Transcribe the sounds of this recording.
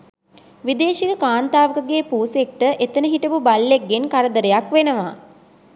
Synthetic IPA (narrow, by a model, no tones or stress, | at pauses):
ʋid̪eːʃikəkaːnt̪aːʋəkəɡeːpuːsek̚ʈəʔet̪ənəɦiʈəpubalːek̚ːenkaɾəd̪əɾejakʋenəʋa̰